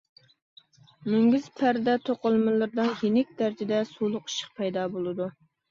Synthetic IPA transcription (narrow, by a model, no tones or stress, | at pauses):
myŋɡʲyz̥pʰæɾd̪ɛt̪ʰoqəlˠmɨlˠɨɾd̪ɨnjenɪk̚ʲd̪æɾɪd͡ʒɪd̪ɛsulˠʊqi̥ʃə̥q̚pʰɛjd̪ɑːbolˠɨd̪u